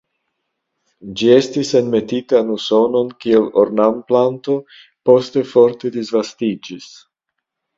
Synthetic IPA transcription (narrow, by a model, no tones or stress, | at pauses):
d͡ʒie̞stisenme̞titanuso̞no̞nkie̞loɾnamplanto̞ | po̞ste̞fo̞ɾt̪e̞d̪izvastid͡ʒis